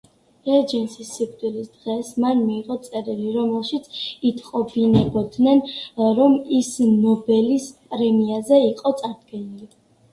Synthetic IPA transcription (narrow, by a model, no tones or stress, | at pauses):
ɛɾd͡ʒɛnsisːikʰt̪ʼuɾisd̪ʁɛsmanmiːʁɔt̪sʼɛɾiliɾɔmɛlˠʃit̪sʰit̪ʰqʼɔbinɛbɔd̪nɛnɾɔmisnɔbɛlispʼɾɛmiazɛiqʼɔt̪sʼaɾd̪ɡɛnili